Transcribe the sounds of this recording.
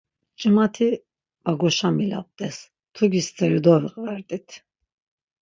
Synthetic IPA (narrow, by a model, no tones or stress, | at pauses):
t͡ʃʼəmat̪ʰi | baɡɔʃamila̰p̚d̪ʼɛs | t̪ʰuɡist̪ʰɛɾid̪ɔviqʼvɛɾt̪ʼit̪ʰ